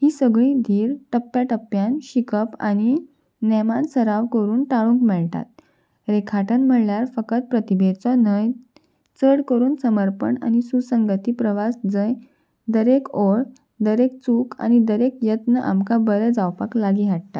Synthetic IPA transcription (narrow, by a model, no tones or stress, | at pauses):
ɦiːsəɡɭĩːd̪ʱiːɾʈəpːjaʈəpːjanɕikəpa̰ñi | nɛmansəɾaʋkəɾuːnʈaɭũŋkmɛɭʈ̪a̰t̪̚ | ɾekʰaʈənm̤əɽljaɾfəkət̪̚pɾət̪ibʱed̪t͡sɔnəj | t͡səɽkəɾuːnsəməɾpəɳa̰nisusəŋɡət̪iːpɾəʋasd͡zəj | d̪əɾekoɭ | d̪əɾek̚t͡suka̰ñid̪əɾekjət̪nəʔa̰mkabəɾəd͡zawpaklaɡiɦaʈ̚t̪a̰t̪